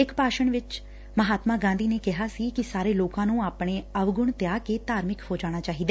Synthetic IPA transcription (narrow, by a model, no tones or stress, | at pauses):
ɪkpaːʃəɳʋɪt͡ʃ | məɦaːt̪mãːɡãːnd̪iːneːkɪɦaːsiːkɪsaːɾeːloːkãːnũːaːpɽeːəʋɡʊɳt̪jaːkeːt̪aːɾmɪkhoːd͡ʒaːɽ̃aːt͡ʃaːɦiːd̪aː